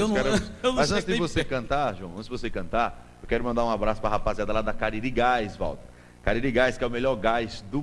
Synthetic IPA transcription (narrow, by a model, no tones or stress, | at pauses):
w̪kɛɾenmazɐ̃t̪t͡ʃ̪sɪvosekɐ̃nt̪aɾʒuɐ̃w̃ɐ̃t̪d̪vosekɐ̃nt̪aɾ | ewkɛɾʊmɐ̃nd̪aɾũabɾasʊ̥pɾɐɦapaziad̪ɐlad̪ɐkaɾiɾiɡajsva̰wt̪ɐ̥ | kaɾiɾiɡajskɪɛʊmelɔɾɡajzd̪ʊ